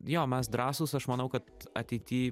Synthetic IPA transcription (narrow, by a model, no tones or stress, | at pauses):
joːmʲɛsd̪ɾɑːsuːsɐʃmɐnɐʊkɐt̪ɐ̰t̪ʲɛɪt̪ʲiː